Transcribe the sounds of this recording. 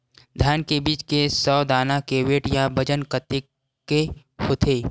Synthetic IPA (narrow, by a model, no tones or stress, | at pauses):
d̪ʱjaːnkebiːt͡ʃkesɔːd̪aːnakeːweːʈjabɐd͡ʒənkət̪ɪkː | e | hot̪ʰeː